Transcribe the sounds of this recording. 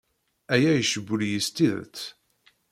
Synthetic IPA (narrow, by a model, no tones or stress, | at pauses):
æjæjəʃəbːʊljəst̪iðə̰t͡sː